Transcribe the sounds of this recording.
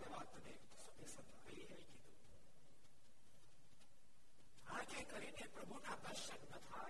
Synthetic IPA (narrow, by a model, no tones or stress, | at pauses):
eʋat̪ne | subesən | əiiɦəjkit̪ũ | ad͡ʒekəɾinepɾəbʱunad̪əʃənnət̪ʰa